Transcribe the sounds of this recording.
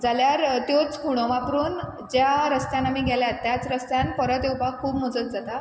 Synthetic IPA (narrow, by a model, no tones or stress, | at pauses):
d͡zaljaɾt̪jot͡skʰuɽ̃oʋapɾuːn | d͡ʑjaɾəst̪jãnamiːɡʱaljat̪ːjat͡sɾəst̪jãnpəɾət̪ewpakʰuːbm̤od͡zət̪̚d͡zat̪a